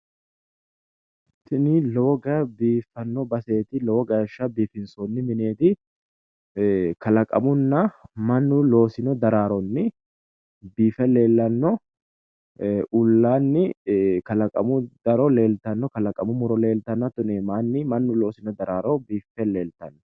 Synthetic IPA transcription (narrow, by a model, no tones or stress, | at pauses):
t̪ːɪnɪlɔwɔɡɐbiːfːɐnːɔbɐse̞ːt̪ɪlɔwɔɡɐʃːɐbiːfɪnsɔnːɪmɪne̞ːt̪ɪ | kɐlɐkʼɐ̰mʊnːɐmɐnːʊlo̞ːsɪnɔd̪ɐɾaːɾɔnːɪ | biːfɛle̞ːlːɐnːɔ | ʔʊlːaːnːɪkɐlɐkʼɐ̰mʊd̪ɐɾɔle̞ːlt̪ɐnːɔkɐlɐkʼːɐmʊmʊɾɔle̞ːlt̪ɐnːɐt̪ʊneːmaːnːɪmɐnːʊlo̞ːsɪnɔd̪ɐɾaːɾɔbiːfɛle̞ːlt̪ɐnːɔ